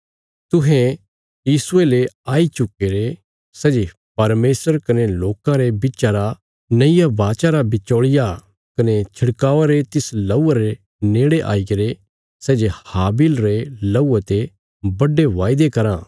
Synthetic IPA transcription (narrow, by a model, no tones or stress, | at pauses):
t̪ʊɦɛ̃ | jiːsʊeleaːit͡ʃʊkeːɾe | sɛːd͡ʒe | pɐɾmeːsəɾkɐneloːkãɾebɪtːt͡ʃaɾa | nɐɪjabaːt͡ʃaɾabɪt͡ʃoːɭɪja | kɐnet͡ʃʰɐɽkaːʋaɾet̪ɪslɐuaɾe | neːɽeʔa̰ːikɐɾe | sɛːd͡ʒehaːbɪlɾelɐuat̪e | bɐɖeʋaːɪd̪ekɐɾãː